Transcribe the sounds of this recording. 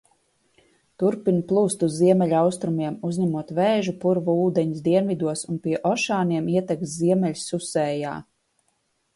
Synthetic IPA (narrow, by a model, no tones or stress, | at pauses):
t̪uɾpinplˠuːst̪uzːiɛmɛlʲawst̪ɾumiɛmuzɲæmuɔt̪vɛːʒupuɾvuːd̪ɛɲisd̪iɛnvid̪uɔsunpiɛʔɔʃaːniɛmiɛt̪ɛk̪ziɛmʲɛʎʲssusɛːja̰ː